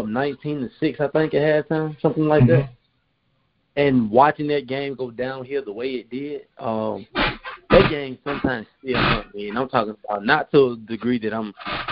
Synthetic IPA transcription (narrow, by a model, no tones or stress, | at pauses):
ʌnãɪ̃ntʰĩnɨsɪksaɪθɪ̃ŋkaɨɾtʰãɪ̃msʌ̃mθɪ̃ŋlaɪk̚ðæt̚ | ɨ̃nwɑt͡ʃɪ̃ŋðɨt̚ɡ̥ẽɪ̃mɡoʊdãʊ̃nɦiɹðəweɪɨt̚d̥ɪd̥̚ʔʌ̃mðɨt̚ɡ̥ẽɪ̃mz̥sʌ̃mtʰãɪ̃mz̥imʌniɨ̃nãɪ̃mtʰɔkɪ̃ŋəbaʊtⁿnətʰədɨɡɹiðɨɾãɪ̃m